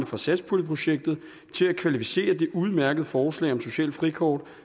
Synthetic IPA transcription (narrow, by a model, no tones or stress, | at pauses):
nəfʁɑ̈sæd̥spʰuləpʰʁo̝ɕeɡ̥̚d̥ð̩ˠ | t͡sʰe̝lækʰʋælifi̥se̝̰ːɐd̥e̝ʔuð̞ˠmæɐɡ̥əð̞̩ˠfɒːslɛ̰ɪ̰ɒ̽mso̝ɕɛ̰ːl̥fʁikʰɒ̰ːd̥